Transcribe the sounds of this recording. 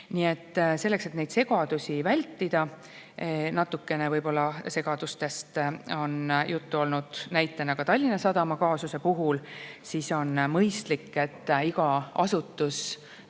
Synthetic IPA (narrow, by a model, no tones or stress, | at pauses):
nie̞t̪ˑːse̞lːe̞kse̞t̪ne̞jd̪̥se̞ɡ̥ɑd̪̥usʲivælʲt̪ːid̪̥ɑ | nɑt̪ːˑukːe̞ne̞vɤjbo̞lːɑse̞ɡ̥ɑd̪̥ust̪e̞st̪o̞njʔut̪ːuo̞lnud̪̥næjt̪ːˑenɑɡ̥ɑt̪ɑlʲːinɑsɑd̪ɑmɑkɑːsuse̞puɦulsiːso̞nmɤjst̪likːˑe̞t̪ːiɡ̥ɑɑsut̪ːˑus